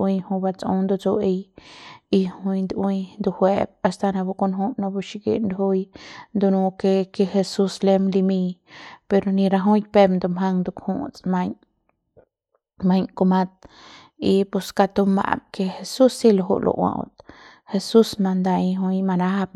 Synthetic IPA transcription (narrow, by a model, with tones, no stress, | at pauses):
wi˧jhu˧ba˧t͡sṵ˦nd̪u˧t͡so˧ʔe˧j | i˧hu˧jnd̪wi˦˧jnd̪u˧hwe˧b̚a˧st̪a˧na˧bu˧ko˧nɦu˦no˧bu˧ʃi˧ɡḭ˧nd̪hu˦jnd̪u˧nũ˧ke˧ke˧xe˧su˧sle˧mli˧mi˧pe˧ɾo˧ni˧ɾa˧ɦu˦jpe˧bnd̪o˧mɦa˧ŋd̪u˧khṵ˦t͡sma˧ɲ | ma˧ɲko˧ma˧t̪̚ | i˧pu˧ska˧t̪u˧ma̰˧b̚ke˧xe˧su˦sːi˦lo˧ɦṵ˧lʔo̰˧wã̰˧t̪ | he˧su˦sma˧nd̪a˧ɦu˧jma˧na˦b